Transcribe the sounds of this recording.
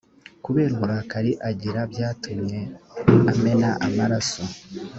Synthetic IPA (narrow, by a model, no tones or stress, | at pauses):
kuβe̞ːɾmuɾakaɾiʔaɟiɾabjaːtumɲe̞ame̞naʔamaɾaso